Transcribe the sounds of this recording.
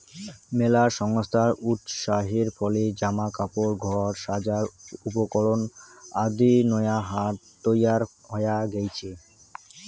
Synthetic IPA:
melaɾʃɔŋst̪ʰaɾut̪ʃaɦeɾfɔled͡ʑamakapoɾɡʱɔɾʃad͡ʑaɾupokɔɭonad̪inɔjaɦaɾ | t̪ojaɾ | ɦɔjaɡejt͡ɕʰe

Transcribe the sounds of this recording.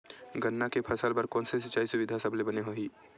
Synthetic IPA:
ɡɐnːakepʰɐsəlbɐɾkɔːnses̬ɪt͡ʃːaːisʊʋɪd̪ʱasɐblebɐneɦoːiː

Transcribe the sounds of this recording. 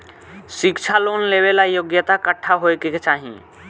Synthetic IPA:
sikt͡ʃʰalonlebelajoɡjət̪akəʈʰːaɦoekeket͡ʃaɦḭ̃

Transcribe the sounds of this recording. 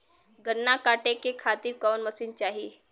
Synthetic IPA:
ɡəɾːakaːʈekekʰat̪iːɾkəwnməsiːnt͡ʃaːɦi

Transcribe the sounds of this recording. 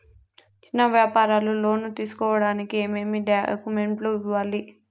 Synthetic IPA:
t͡ʃinːɐʋjaːpaːɾaːlulo̞ːnut̪iːsu̥kɔːʋɐɽaːnikie̞ːmeːmiɖɐ̰kumeɳʈloːiʋaːli

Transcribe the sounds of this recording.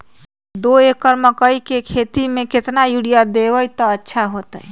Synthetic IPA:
d̪oekəɾməkəjkekʰet̪imeket̪najuɽijad̪ebəjt̪ɔətːʃʰaɦot̪əj

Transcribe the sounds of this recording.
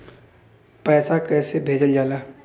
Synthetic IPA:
pɛːsakɛːsebʱeːd͡ʒəld͡ʒaːlaː

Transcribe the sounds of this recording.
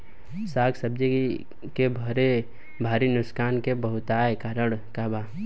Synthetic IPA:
saːɡsəb̚d͡ʒi | kebʱəɾe | bʱaːɾinʊskaːnkebəɦʊt̪aːekaːɾəɽkaba

